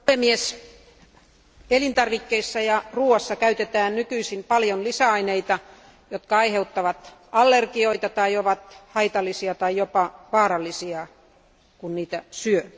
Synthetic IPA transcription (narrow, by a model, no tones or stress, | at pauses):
emies | elint̪ɑrʋikːeisːɑjɑruːɑsːɑkæyt̪et̪æːnnykyisimpɑljonlisæɑineit̪ɑ | jot̪kɑɑiheut̪ːɑʋɑt̪ɑlːerkioit̪ɑt̪ɑioʋɑt̪hɑit̪ɑlːˑisiɑt̪ɑijopɑʋɑːɾɑlːˑisiɑ | kunniːt̪æsyø